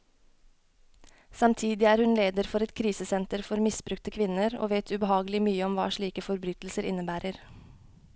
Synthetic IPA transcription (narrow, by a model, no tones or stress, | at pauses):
sɑmt̪ʰiːd̪ɪæːɾhʉnleːd̪əɾfɔɾɛt̪kʰɾiːsəsɛnt̪əɾfɔɾmɪsbɾʉkt̪əkʰʋɪnəɾo̰ːʋeːt̪ʰʉbəhɑːɡəlɪmyːəɔmʋɑ̰ːʃɭiːkəfɔɾbɾyt̪l̩səɾʔɪnəbæːɾəɾ